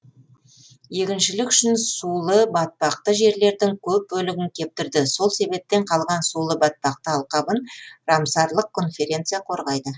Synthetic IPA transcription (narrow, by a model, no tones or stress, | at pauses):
je̞kʲɪnʃɪlɪkʏʃɪnsulˠəbɑt̪̚pɑq̚t̪əʒe̞ɾle̞ɾd̪ɪŋkʲʰɵp̚bɵlɪɡʲɪŋkʲʰe̞p̚t̪ɪɾd̪ɪso̞lˠse̞be̞p̚t̪ːe̞ɴqʰɑlˠʁɑnsulˠəbɑt̪̚pɑq̚t̪əɑlˠqɑbənrɑmsɑɾlˠəq̚kʰːo̞nfe̞ɾʲe̞nt̪sɨjaqʰo̞ɾʁɑjd̪ə